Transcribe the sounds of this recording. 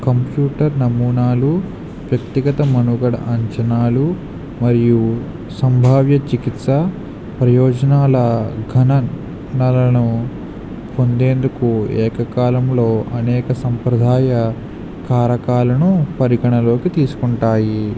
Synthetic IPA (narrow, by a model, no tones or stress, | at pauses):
kɐmpjuːʈɐɾnɐmuːnaːlu | ʋjɐkt̪iɡɐt̪ɐmɐnuɡɐɽɐ̰ʔɐɲt͡ʃɐnaːlu | mɐɾiju | sɐmbʱaːʋjɐt͡ʃikit̪sɐ | pɾɐjɔːd͡ʒɐnaːlɐɡʱɐnɐn | nɐlɐnu | po̞nd̪e̞ːnd̪ukuɛːkɐkaːlɐmlo̞ːɐnɛːkɐsɐmpɾɐd̪ʱaːjɐ | kaːɾɐkaːlɐnupɐɾiɡɐɳɐlo̞ːkit̪iːsu̥kuɳʈaːji